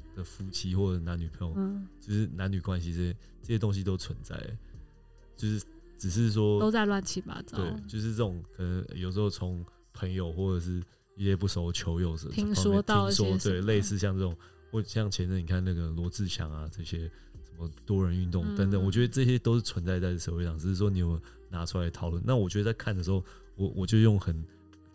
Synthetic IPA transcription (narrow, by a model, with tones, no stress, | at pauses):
d̪̥ə˨fu˧˥t͡ɕʰi˧˥xwɔ˥˩ʈ͡ʂə˨˩˥na˧˦ny˨˩pʰə˧˦ŋjo˨˩t͡ɕjo˥˧ʊʂɻ̩˥˩na˧˦ny˨˩kwa˦nɕi˧ə˥˩ɕɛ˥ | ʈ͡ʂɤ˥˩ɕjɛ˥t̪o˥ŋɕ̬i˧t̪̬o˥ʊt͡sʰwə˧˦nt͡sa̰˥˩ɪə̰˩ | t͡ɕjo˥˧ʊʂɻ̩˥˩ | ʈ͡ʂɻ̩˨˩ʂ̬ɻ̩˥˩ʂ̬wɔ˥t̪o˥ʊt͡sa˥˧ɪlwa˥˩nt͡ɕʰi˥˩ma̰˨˥t̪we˥˩ɪt͡ɕjo˥˧ʊʂ̬ɻ̩˥˧ʈ͡ʂɤ˥˩ʊ˨˩ŋkʰə˨˩nə˧˦ŋ̰˧jo˨˩ʊʂ̬̩˧˥xo˥˩ʊt͡sʰo˧˦ŋ | pʰə˧˥ŋjo˨ʊxwɔ˥˩ʈ͡ʂɤə˨˩ʂɻ̩˥˩ | i˥˩ɕjɛ˦˥pu˥˩ʂo˧˥ʊt͡ɕʰjo˧˥ʊjo˨˩ʊst̪ʰi˧˦ŋfɑ˥ŋɔ˥t̪ŋʂwɔ˥t̪we˥˩ɪle˥˧ɪsɹ̩˥˧ɕjɑ˥˧ŋt͡sɤ˥˩ʈ͡ʂʊ˨˩ŋ | xwɔ˥˧˩ɕjɑ˥˩ŋt͡ɕʰjɛ˧˦n˥˧˩ni˨˩kʰa˥˩nna˥˩ɡə˩lwɔ˧˥t͡sɹ̩˥˩ɕʰjɑ̰˨˥ŋa˨ʈ͡ʂɤ˥˩ɕjɛ˦˥ | ʂə˧˦nmə˧t̪wɔ˥ɻə˧˦ny˥˧nt̪ʊ˥˩ŋə˧˦nt̪ə˨˩nwɔ˨˩t͡ɕɥɛ˧˥d̪ə˧ʈ͡ʂɤ˥˩ɕ̬jɛ˦t̪o˥ʊʂɻ̩˥˩t͡sʰwə˧˦nt͡sa˥˧ɪt͡sa˥˧ɪ˩ʂə˥˩we˥ɪʂɑ˥˩ŋʈ͡ʂ̩˨˩ʂɻ̩˥˩ʂwɔ˥ni˨˥˧ | na˧˥ʈ͡ʂʰu˥a˧ɪət̪ʰɑ˨ʊlwə˥˨˩na˥˩wɔ˨˩t͡ɕɥɛ˧˥ə˧t͡sa˥˧ɪkʰa˥˩nd̪ə˩ʂɻ̩˧˥xo˥˩ʊ | wɔ˨˩wɔ˨˩t͡ɕjo˥˧ʊjo˥˩ŋxə˨˩n